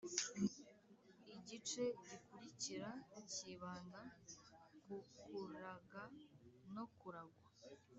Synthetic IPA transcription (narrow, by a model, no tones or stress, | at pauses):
iɟit͡ʃe̞ɟikuɾiciɾaiciβaːna | ɡukuɾaɡano̞kuɾaɡwa